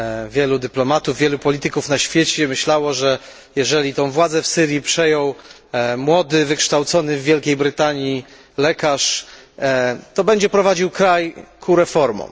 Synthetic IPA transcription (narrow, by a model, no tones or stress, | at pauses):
vʲjɛlud̪ɘplɔmat̪uvːʲjɛlupɔlʲit̪ɘkufnaɕfʲjet͡ɕɛmɘɕlawɔʐɛ | jɛʐɛlʲit̪ɔ̃w̃vwad̪zɛfsɘɾjipʂɛjɔ̃w | mwɔd̪ɘvɘkʂt̪awt̪sɔnɘvːʲjɛlkʲejbɾɘt̪aɲi | lɛkaʂ | t̪ɔbɛɲd͡ʑɛpɾɔvad͡ʑiwkɾajkʰuɾɛfɔɾmɔ̰̃m